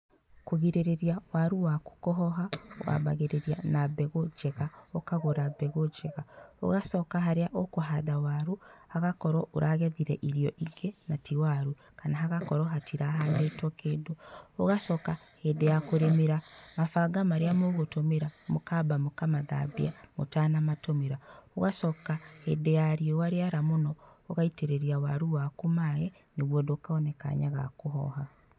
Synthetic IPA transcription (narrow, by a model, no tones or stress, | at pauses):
koɣiɾeɾeɾiawaɾuwako̥kɔɦɔɦawa̰βaɣeɾeɾianabɛɣod͡ʒɛɣaokaɣoɾabɛɣod͡ʒɛɣao̰ɣasɔkaɦaɾeaʔokoɦadawaɾuhaɣakɔɾɔʔoɾʔaɣɛðiɾɛʔiɾiɔʔiɡenatiwaɾu | kanaɦaɣakɔɾɔɦatʰiɾaɦanetwɔkeːndooɣasɔkahedejakoɾemeɾamafaɡamaɾeamoɣotomeɾamokabamokamaða̰bḭamo̰tanamatomeɾaoɣasɔkahedejaɾiɔwaɾeaɾamonɔoɣaiteɾeɾiawaɾuwakomajɛ | neɣwɔndokaɔnɛka̰ɲaɣa̰koɦɔ̰ɦa